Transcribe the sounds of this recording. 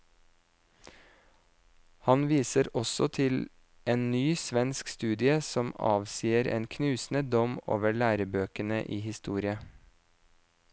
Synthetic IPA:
hɑnʋiːsəɾɔsɔt̪ʰɪl | ʔeːnnyːsʋɛnskst̪ʉːd̪ɪəsɔmɑ̰ːʋsiːəɾḛːnkʰnʉːsn̩əd̪ɔmo̰ːʋəɭæːɾəbøːkənə̰ʔiːhɪst̪uːɾɪə

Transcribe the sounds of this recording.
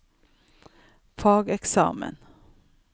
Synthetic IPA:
fɑːɡɛksɑ̰ːmə̰n

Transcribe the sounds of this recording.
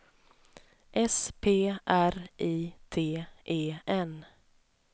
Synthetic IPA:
ʔɛspʰeːʔæɾʔiːt̪ʰeːʔeːʔɛn

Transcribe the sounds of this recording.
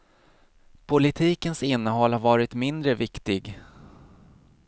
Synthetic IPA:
pʰʊlɪt̪ʰiːkənsɪnːəɦɔlːhaɾvɑːɾɪt̪mɪnd̪ɾəvɪkt̪ɪɡ

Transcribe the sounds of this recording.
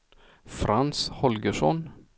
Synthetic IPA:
fɾanshɔlɡəʂɔ̰n

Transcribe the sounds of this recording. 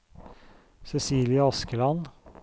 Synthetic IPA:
sɛsiːlɪəɑskəlɑn

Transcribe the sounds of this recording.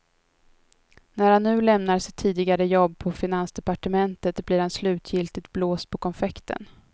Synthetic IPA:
næɾhanːʉ̟ːlɛmnaɾʂɪt̪ʰːiːd̪ɪɡaɾəjɔbːpʰɔfɪnansd̪ɛpaʈəmɛnt̪ət̪blɪːɾhanslʉ̟ːt̪ʰjɪlt̪ɪt̪bloːst̪̚pʰɔkʰɔnfɛkt̪ʰə̰n

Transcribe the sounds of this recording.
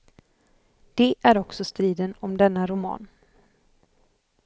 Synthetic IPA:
d̪̥ɛʔæɾɔksɔst̪ɾiːd̪ənɔmd̪ɛnːaɾʊmɑ̰ːn

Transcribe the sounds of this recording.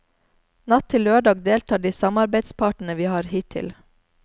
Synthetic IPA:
nɑt̪ʰɪløːɖɑːɡd̪eːlt̪ʰɑːɖiːsɑmɑɾbæɪd̪spʰɑːʈn̩əʋiːhɑːɾhiːt̪ʰɪ̰l

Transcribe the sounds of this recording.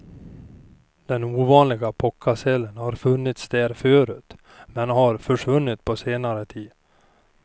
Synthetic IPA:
d̪̥ɛnuːvɑːnlɪɡapʰɔkʰːasɛlːənhaɾfɵnːɪt̪sd̪ɛːɾfœːɾʉ̟ːt̪ | mɛnhaɾfœʂvɵnːɪt̪pʰɔseːnaɾət̪ʰiːd̪

